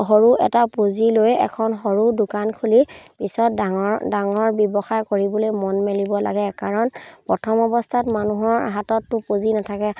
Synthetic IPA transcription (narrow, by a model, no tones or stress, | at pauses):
ɦɔɹuɛ̰tapozilojɛ̰kʰɔnɦɔɹudʊkankʰulipisɔtdaŋɔdaŋɔɹbɔbɔxajkoɹibɔlojmɔnmelibɔla̰ɡɛkaɹɔnpɹɔtʰɔmɔbɔstʰatmanuɦɔɹa̰ɦatɔtːʊpozinatʰakɛ